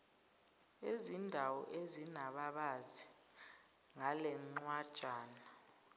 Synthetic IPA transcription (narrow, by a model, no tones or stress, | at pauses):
ezindʱawɔʔezinaɓaɓazi | ŋalɛŋ͡ǀwad̥ʒ̥ʼʱaːna